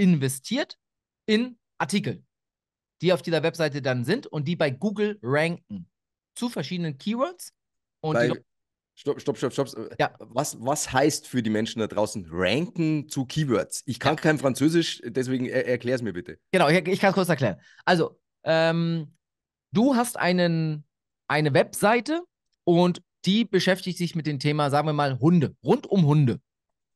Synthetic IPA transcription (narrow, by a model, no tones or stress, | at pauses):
ɪnvɛstʰiːɐt | ɪn | ʔaɐtiːkl̩ | d̥iːaʊfd̥iːzɐvɛpz̥aɪt̬ədanzɪntʊnt̚d̥iːbaɪɡuːɡl̩ʁɛŋkŋ̩ | t͡sufɛɐʃiːdənənkʰiːvœɐts | ʔʊnvaiɪ | ʃtɔpʃtɔpʃtɔptɔpsjaːvasvashaɪstfyːɐdiːmɛnʃn̩dadʁaʊsn̩ʁɛŋkŋ̩t͡sukʰiːvœɐtsʔɪçkʰankʰaɪnfʁ̥ant͡søːzɪʃd̥ɛs̬v̥eːɡŋ̩ɛʔɛɐkʰl̥ɛːʁəs̬miːɐbɪtəɡ̥ənaʊɪçɪçkʰanskʊɐt͡s̬ɛɐklɛːʁən | ʔalzo | ʔɛːm | d̥uːɦastʔa̰ɪnən | ʔaɪnəvɛpz̥aɪtə | ʔʊnt | d̥iːbəʃɛftɪçtz̥ɪçmɪt̚d̥eːmtʰeːmazaːɡŋ̩viːɐmaːlɦʊndəʁʊntʊmɦʊndə